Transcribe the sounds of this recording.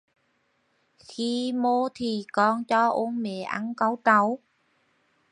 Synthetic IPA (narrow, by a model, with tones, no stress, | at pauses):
xi˧mo˧˦t̪ʰi˨˩kɔ˧nt͡ɕɔ˧ʔo˧˦nmɛ̰˧˩˦ʔa̰˧˦nka˨˧˦wt̪a˨˦w